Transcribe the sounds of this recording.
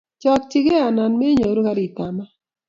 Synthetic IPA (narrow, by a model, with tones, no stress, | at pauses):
t͡ʃɔ˨k̚t͡ʃɪ˦ɡe˦a˨na˨nmɛ˦ɲo˨ɾo˦ka˦ɾi˨ta˨ma˦